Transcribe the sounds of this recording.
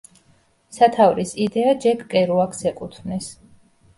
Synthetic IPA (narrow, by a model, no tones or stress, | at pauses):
sat̪ʰavɾisid̪ɛad͡ʒɛɡkʼɛɾuakʰsɛqʼut̪ʰvnɛs